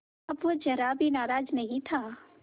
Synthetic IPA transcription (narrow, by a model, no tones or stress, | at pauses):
ɐbʋod͡ʒəɾabʱinaːɾaːd͡ʒnəɦĩt̪ʰaː